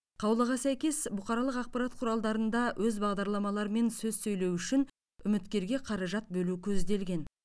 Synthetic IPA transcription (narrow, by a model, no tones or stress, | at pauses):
qʰɑwlˠəʁɑsæjkʲe̞sbʊqɑɾɑlˠəqɑq̚pɑɾɑt̪qʰʊɾɑlˠd̪ɑɾənd̪ɑwʔɵzbɑʁd̪ɑɾlˠɑmɑlˠɑɾəme̞nsɵz̥sɵjlewʏʃɪn | ʏmɪt̪kʲe̞ɾɡʲe̞qʰɑɾɑʒɑt̪̚bɵlukʲʰɵzd̪e̞lɡʲe̞n